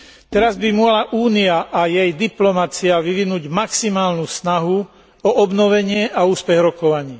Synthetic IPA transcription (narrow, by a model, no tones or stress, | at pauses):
t̪ɛɾazbimʊɔɦlaʔuːniaʔajɛjd̪iplɔmat͡siaʋiʋinuːɟmaksimaːlnusnaɦu | ɔʔɔbnɔʋɛɲɪɛʔauːspɛɣɾɔkɔʋaɲiː